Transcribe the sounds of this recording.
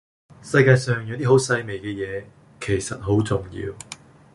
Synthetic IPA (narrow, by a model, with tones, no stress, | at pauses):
sɐ˧jkaː˧jsœː˨ŋjʊ˨˧t̪iː˥ɦo˨˥wsɐ˧jme˨˩jkɛː˧jɛː˨˧ | kʰe˨˩jsɐ˨t̚ɦo˨˥wt͡sʊ˨ŋjḭː˧w